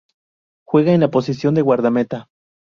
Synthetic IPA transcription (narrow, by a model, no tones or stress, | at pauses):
xweɣaenlapos̬isjo̞nd̪eɣwaɾðamet̪a